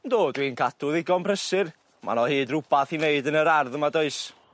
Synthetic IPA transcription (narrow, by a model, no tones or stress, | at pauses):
ndoːdwinkʰadʊðɪɡɔnpʰrəsɨr | mʔa̰nɔhɨːdrʊbaθineɨdənəɾarðəmadoɨs